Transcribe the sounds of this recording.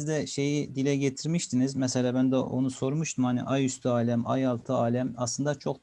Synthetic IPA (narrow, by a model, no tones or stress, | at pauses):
zd̪ɛʃe̞jid̪ilʲɛɟet̪ʰiɾmiʃt̪ʰinizmɛselʲaːbænd̪ɛʔo̞̰nuso̞ɾmuʃt̪ʰumhanḭʔajyst̪ʰyaːlʲɛma̰jalˠt̪ʰɯaːlʲæmɑslˠɯnd̪at͡ʃʰo̞k̪